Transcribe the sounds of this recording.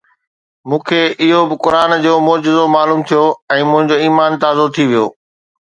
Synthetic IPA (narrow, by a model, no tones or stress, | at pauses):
mũːkʰeːʔɪɦobɪkʊɾaːnd͡ʑoːmɔːd͡ʑɪzomaːluːmt̪ʰijoɛ̃ːmʊ̃ɦɪ̃ɲd͡ʑoiːmaːnt̪aːzot̪ʰiʋijo̰ː